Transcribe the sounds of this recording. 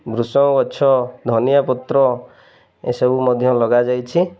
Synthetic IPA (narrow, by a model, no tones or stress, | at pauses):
bɾusɔ̃wɡɔːt͡ʃʰɔd̪ʱɔnijapɔt̪ɾɔ | ḛsebumɔd̪ʱjɔlɔɡad͡ʒajt͡ʃʰi